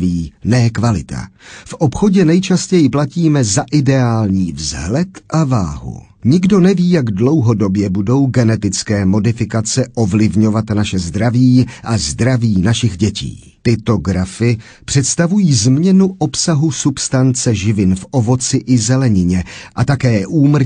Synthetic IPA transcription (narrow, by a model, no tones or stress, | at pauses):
viːnɛːkvalɪt̪a̰fʔopxo̞ɟɛnɛjt͡ʃascɛjɪplaciːmɛzaʔɪdɛaːlɲiːvzɦlɛt̪ʔavaːɦṵ | ɲɪɡdo̞nɛviːjaɡdlo̞wɦo̞do̞bjɛbudo̞wɡɛnɛt̪ɪt͡skɛːmo̞dɪfɪkat͡sɛʔovlɪvɲo̞vat̪naʃɛzd̪ɾaviːʔazd̪ɾaviːnaʃɪɣɟɛcḭː | t̪ɪt̪o̞ɡɾafɪ | pr̝̥ɛt̪st̪avujiːzmɲɛnuʔo̞psaɦusupst̪ant͡sɛʒɪvɪnfʔo̞vo̞t͡sɪʔɪzɛlɛɲɪɲɛʔat̪akɛːʔuːmr̩